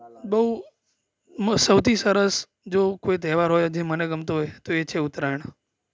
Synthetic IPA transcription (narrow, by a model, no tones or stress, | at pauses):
bəɦu | msəwt̪ʰisəɾəs | d͡ʒokoit̪̬ɛɦʋaɾɦojd͡ʒeməneɡəmt̪oɦojt̪oet͡ʃʰeʊt̪ɾaɳ̃